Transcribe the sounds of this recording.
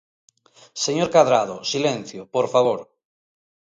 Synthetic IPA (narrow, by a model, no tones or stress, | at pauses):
seɲoɾkaðɾað̞osilẽn̟θjopoɾfaβ̞oɾ